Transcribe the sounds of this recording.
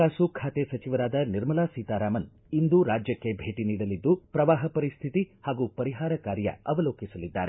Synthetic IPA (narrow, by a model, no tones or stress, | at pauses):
aːsukʰaːt̪esɐt͡ʃiʋɐɾaːd̪ɐniɾmɐlaːsiːt̪aːɾaːmɐn | ind̪uɾaːd͡ʒjɐkːe̞bʱeːʈiniːɽɐlid̪ːupɾɐʋaːɦɐpɐɾist̪ʰit̪ihaːɡupɐɾiɦaːɾɐkaːɾjɐ̰ɐʋɐloːkisɐlid̪ːa̰ːɾe